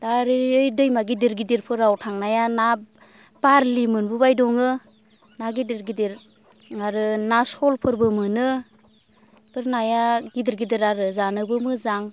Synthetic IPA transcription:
d̥aɾiɯjdɯjmaɡidiɾɡidiɾpʰɯɾawtʰaŋnajana | baɾlimɯnbubajdɔŋɯ | naɡidiɾɡidiɾ | ŋaɾɯnaskɔlpʰɯɾbɯmɯnɯ | pʰɯɾnajaɡidiɾɡidiɾaɾɯzanɯbɯmɯzaŋ

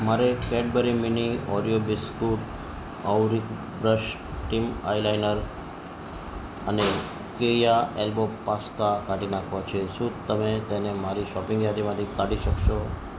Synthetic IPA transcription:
maɾekɛɖbəɾiminiɔɾijobiskuʈ | ɔwɾik | bɾəʃ | ʈima̰jlajnəɾ | əne | kejaelbopast̪akaʈinakʰʋot͡ʃʰeʃũt̪əmet̪enemaɾiʃɔpĩŋɡjad̪imãt̪ʰikaɽiʃəkʃo

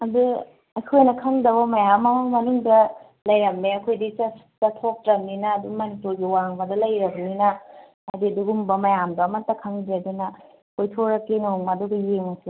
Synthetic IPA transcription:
ɐdu | ɐjkʰojnɐkʰɐŋdɐβɐmɐjamɐmɐŋmɐnuŋdɐ | lɐjɾɐk̚meɐkʰojdit͡ʃɐs | tɐtʰok̚tɾɐk̚ninɐːdumɐnipuɾɡiwaŋbɐdɐlɐjɾɐk̚ninɐː | diɐduɡumbɐmɐjamdɐːmɐtɐkʰɐŋdeɐdunɐ | kʰojtʰoɾɐkːinoŋmadudɐjeŋɐsi

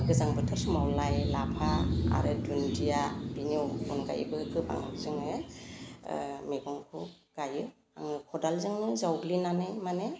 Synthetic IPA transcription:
ɡɯzaŋbɯtʰɯɾsɯmawlajlapʰaa̰ɾɯdundijabinɯwṵnɡa̰j̰bɯkʰɯba̰ŋa̰kzɯŋe | meɡɔŋkʰu | ɡ̥ajɯ | a̰ŋɯkʰɔdalzɯŋnɯzawɡlinanɯjmane

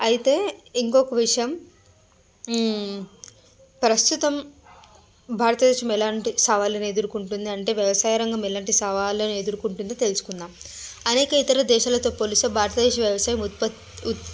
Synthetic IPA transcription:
ɐjit̪e̞ːiŋkɔkɐʋiʂɐjɐm | pɾɐst̪ut̪ɐm | bʱaːɾɐt̪ɐd̪ɛːʂɐmɛlaːɳʈisɐʋaːlɐned̪uɾukuɳʈund̪iɐɳʈe̞ːʋjɐʋɐsaːjɐɾɐŋɡɐmɛlaːɳʈisɐʋaːloned̪uɾukuɳʈund̪it̪e̞lusu̥kunːaːmɐnɛːkɐit̪ɐɾɐd̪ɛːʃaːlɐt̪o̞ːpoːlusɐːbʱaːɾɐt̪ɐd̪ɛːʂɐʋjɐʋɐsaːjɐmpɐ | u

